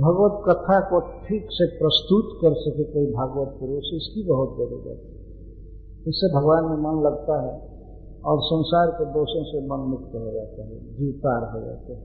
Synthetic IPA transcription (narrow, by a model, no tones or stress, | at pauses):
bʱəɡʋət̪kət̪ʰakoʈʰiksepɾəst̪ut̪kəɾsəkekəibʱaɡwət̪̚kuɾesɪskibəɦut̪̚dəɾṵɾə̰t̪ɛ | ɪsːebʱəɡʋaːnmemənləɡt̪aɦɛ | ɔːɾsə̃nsaɾked̪oːsẽsemənmʊk̚t̪ɦod͡ʒat̪eɦɛ̰d͡ʒiwt̪aɾɦod͡ʒa̰t̪eɦɛ